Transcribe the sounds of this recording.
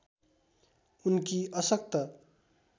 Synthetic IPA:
unkiʌsʌk̚t̪ʌ

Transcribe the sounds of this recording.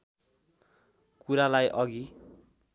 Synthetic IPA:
kuɾalajʔʌɡi

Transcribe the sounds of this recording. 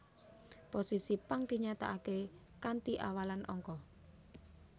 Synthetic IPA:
posisipaŋd̪̥i̤ɲat̪a̰ʔake | kant̪iʔa̰walanʔɔ̰ŋkɔ

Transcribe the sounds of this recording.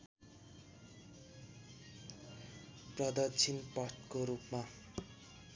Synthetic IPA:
prʌd̪ʌrt͡sʰinpʌʈkoɾupma

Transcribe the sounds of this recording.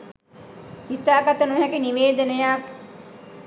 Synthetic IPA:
it̪ːaːkat̪ənuɦɛkiniʋeːd̪ənəjak

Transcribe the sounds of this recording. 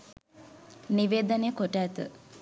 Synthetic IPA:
niʋeːd̪əneːkoʈæːt̪ə̰

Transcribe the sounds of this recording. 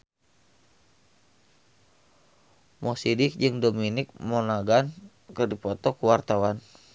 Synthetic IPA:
mɔsidɪk̚d͡ʒɨŋdominɪk̚mɔnaɡan | kɨrdipɔt̪ɔkuwart̪awan

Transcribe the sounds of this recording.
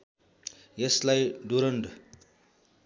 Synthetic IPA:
jʌslajɖuɾʌɳɖ

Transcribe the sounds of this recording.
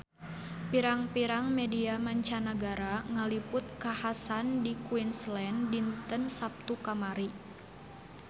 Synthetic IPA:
piɾaŋpiɾaŋmɛdiamaɲt͡ʃanaɡaɾaŋalipʊt̪̚kahasandikuinslɛndint̪ənsap̚t̪ukamaɾi

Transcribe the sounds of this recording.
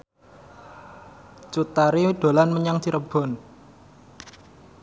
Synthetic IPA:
t͡ʃut̪aɾiɖ̥o̤lanməɲaŋd̪iɾəb̥ɔ̤n

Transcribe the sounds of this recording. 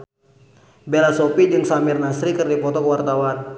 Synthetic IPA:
belasopid͡ʒɨŋsamirnasɾikɨrdipɔt̪ɔkəwart̪awan

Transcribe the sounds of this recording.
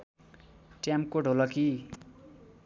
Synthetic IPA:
ʈjamkoɖʱolʌki

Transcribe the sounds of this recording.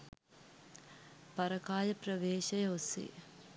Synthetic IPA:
pɐɾɐkaːjɐprəʋeːʃɐjɐosḛː

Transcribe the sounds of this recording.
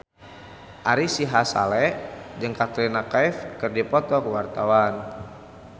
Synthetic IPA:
ʔaɾisiɦasa̰lɛd͡ʒɨŋkat̪ɾinakaifkɨrdipɔt̪ɔkəwart̪awan

